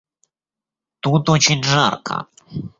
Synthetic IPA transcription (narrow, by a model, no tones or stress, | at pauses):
t̪ut̪ɔt͡ɕɛnʐa̰ɾkʰa̰